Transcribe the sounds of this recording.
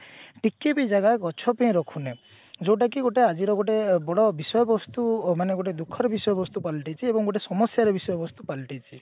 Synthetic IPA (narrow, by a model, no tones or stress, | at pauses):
ʈikːebid͡ʒaɡakɔt͡ʃʰɔpẽj̃ɾɔkʰune | d͡ʒewʈ̬ak̬iɡoʈead͡ʒiɾɔɡoʈebɔɽɔbisɔjɔbɔst̪umaneɡoʈ̬ed̪ukʰːɔɾebisɔjɔbɔst̪upalʈit͡ʃʰiebɔŋɡoʈ̬esɔmɔsjaɾebisɔjɔbɔst̪upalʈit͡ʃʰi